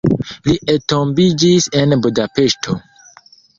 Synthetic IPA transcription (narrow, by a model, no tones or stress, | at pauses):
liʔeto̞mbid͡ʒise̞nbudape̞ʃtʰo̞